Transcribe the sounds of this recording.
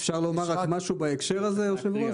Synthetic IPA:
fʃaʁlomaʁakmaʃubaekʃeʁazejoʃevlo

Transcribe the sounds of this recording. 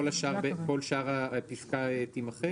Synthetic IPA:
olaʃaʁbeko̞lʃaʁapiskaet̪imaχe

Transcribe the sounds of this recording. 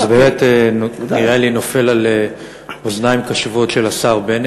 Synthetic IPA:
zbemeteniʁelino̞fe̞lale | oznaimkaʃuvo̞tʃe̞lasaʁben

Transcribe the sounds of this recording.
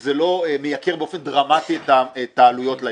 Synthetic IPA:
zelo̞emejakeʁbeofe̞nd̪ʁamat̪iet̪aet̪aːlujo̞tla

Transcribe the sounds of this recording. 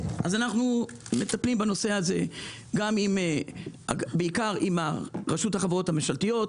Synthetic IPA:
ʔazanaχnu | me̞t̪aplimbanose̞haze̞ | ɡamim | a̰beikaʁimaʁeʃuthaχavʁothameʃalt̪ijo̞t̪

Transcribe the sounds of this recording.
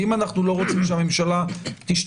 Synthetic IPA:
imanaχnulo̞ʁo̞t͡simʃame̞mʃalat̪iʃt̪

